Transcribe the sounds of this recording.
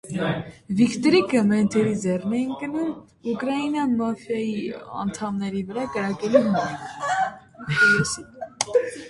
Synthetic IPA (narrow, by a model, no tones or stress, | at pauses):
vikt̪ɾikəmɛnt̪ʰɛɾid͡zɛrnɛjinkənum | ukɾɑinɑnmɑfjɑjiɑ̰nt̪ʰɑmnɛɾivəɾɑkəɾɑkɛlumɛ | ɔlusi